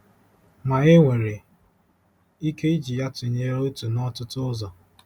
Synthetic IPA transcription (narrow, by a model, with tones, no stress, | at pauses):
ma˨e˦ŋʷe˨ɾe˨ | i˦ke˦i˦d͡ʒi˨ja˦tʊ˨ɲe˦ɾo˦tu˨nɔ˦tʊ˦tʊ˦zɔ˨